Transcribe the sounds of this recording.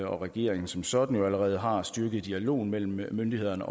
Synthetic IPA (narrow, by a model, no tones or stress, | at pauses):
ɒ̽ʁɛɡ̥e̝̰ɐ̰eŋn̩sɒ̽msɒ̽d̥n̩joæləʁɛːð̞̩ˠɦɑ̈sd̥yɐɡ̥ð̩ˠd̥iælo̝̰ːn̩mel̰m̩ːønd̥ihe̝ð̰ˠɐnəʔɒ̽